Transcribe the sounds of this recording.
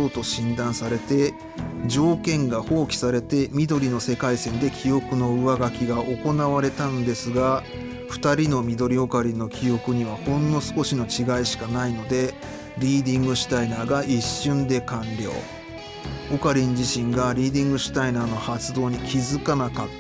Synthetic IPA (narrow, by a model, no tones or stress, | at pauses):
oːt̪oɕĩnd̪ãɰ̃saɾe̞t̪e̞ | d͡ʑo̞ːkẽ̞ŋɡaho̞ːkʲi̥saɾe̞t̪e̞mʲid̪o̞ɾʲino̞se̞kaisẽ̞nd̪e̞kʲʰijo̞kɯ̟no̞ɯ̟βaɡakʲiɡaʔo̞ko̞naβaɾe̞t̪ãnd̪e̞sɨɡa | ɸɯ̟̥t̪aɾʲino̞mʲid̪o̞ɾʲio̞kaɾʲĩnːo̞kʲio̞kɯ̟ɲ̟iβahõ̞nːo̞sɨ̥ko̞ɕino̞t͡ɕiɡaiɕi̥kanaino̞d̪e̞ | ɾʲiːd̪ʲĩŋɡɯ̟ɕi̥t̪ainaːɡaʔiɕːɨ̃nd̪e̞kãnɾʲo̞̰ː | o̞kaɾʲĩɲd͡ʑiɕĩŋɡaɾʲiːd̪ʲĩŋɡɯ̟ɕi̥t̪ainaːno̞hat͡sɨd̪o̞ːɲ̟ikʲizɨkanakat̪ː